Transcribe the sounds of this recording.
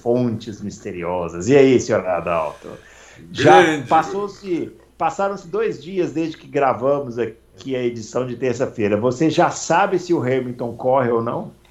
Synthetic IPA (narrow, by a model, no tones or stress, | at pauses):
fõt͡ʃɪzmist̪eɾiɔzɐzɪɛisɪ̃ɔɾa̰d̪a̰wt̪ʊ̰ | ʒapasowsɪ | pasaɾɐ̃w̃sɪd̪ojzd͡ʒiɐzd̪ezd͡ʒɪkɪɡɾavɐ̃mʊza | kʰiɐed͡ʒisɐ̃w̃d͡ʒɪt̪eɾsɐfejɾɐvoseʒasabɪsɪʊɦɛɾmĩt̪õw̃kɔɦɪownɐ̃w̃